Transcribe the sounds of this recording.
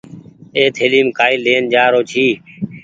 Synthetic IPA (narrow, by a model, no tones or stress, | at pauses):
eːt̪ʰɦeːliːmkaːɪleːnd͡ʒaːɾoːt͡ʃʰiː